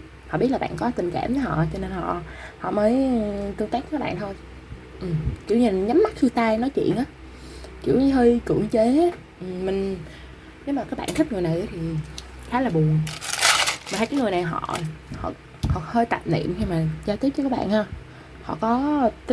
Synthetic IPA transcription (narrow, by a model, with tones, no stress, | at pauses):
hɔ̰˧˨ɓi˦˥t̚la˨˩ɓa̰ː˧˨nkɔ˨˦t̪ï˨˩ŋ̟ka̰ː˧˩mvə˨˦hɔ̰˧˨t͡ɕɔ˧ne˧nhɔ̰˧˨hɔ̰˧˨məː˨˦jt̪ɨ˧əŋt̪aː˦˥k̚ːkːaː˦˥ɓa̰ː˧˨t̪ʰo˧j | ʔɨ˨˩kḭ˨˧˩wɲi˨˩nɲa˨˦mːa˦˥t̚t̪ʰɨ˧t̪aː˧jnɔ˨˦jt͡ɕḭ˧˨ənʔaː˨˦ | kḭ˧˩əwi˨˦ɦi˧kɨ̰˧˩əŋt͡ɕe˨˦ | ʔmï˨˩ŋ̟ | ne˨˦wmaː˨˩kaː˦˥k̚ɓa̰ː˧˨nt̪ʰi̟˦˥ŋɨ˨˩əna˨˩jʔə˨˦t̪ʰi˨˩ | xaː˨˦laː˨˩ɓu˨˩əŋ | ma˨˩˨kːŋ˨˩jna˨˩jɦɔ̰˧˨hɔ̰˧˨ | hɔ̰˧˨həː˧jt̪a̰˨˩p̚nḭ˧˨əmxi˧maː˨˩zaː˧t̪i˦˥k̚t͡ɕə˧˦kːaː˦˥ɓa̰ː˧˨nhaː˧ | hɔ̰˧˨kɔ˨˦t̪